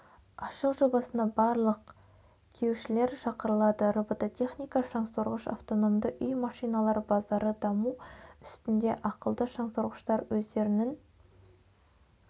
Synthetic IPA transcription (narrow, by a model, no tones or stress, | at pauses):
ɑʃəqʒo̞bɑsənd̪ɑbɑɾlˠəq | kʲʰewʃɪle̞ɾʃɑqəɾəlˠɑd̪əɾobot̪ot̪ʰe̞χnijkɑʃɑŋsoɾʁəʃɑ̰ft̪o̞no̞md̪əʔʏjmɑʃijnɑlˠɑɾbɑzɑɾəd̪ɑmuʏst̪ɪnd̪e̞ʔɑqəlˠd̪əʃɑɴsoɾʁəʃt̪ɑɾwɵzd̪e̞ɾɪnɪŋ